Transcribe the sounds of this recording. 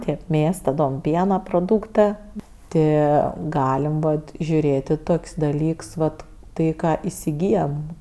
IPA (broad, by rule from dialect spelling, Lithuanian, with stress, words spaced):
ˈtʲeːp ˈmʲeːs tɐˈdoːm ˈpʲiɛnɐ proːˈduːktɜ ˈtɜ ˈɡɑːlʲɛm ˈboːt ʒʲʊˈrʲeːtʲ ɪ ˈtoːkʲsʲ dɐˈlʲiːks ʋɐt ˈtɐɪ ˈkɑː ɪsʲɪˈɡʲiːjɛm